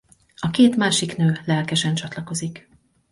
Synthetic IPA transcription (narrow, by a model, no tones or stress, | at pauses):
ɒkeːt̪maːʃiknøːlɛlkɛʃɛnt͡ʃɒt̪lɒko̞zik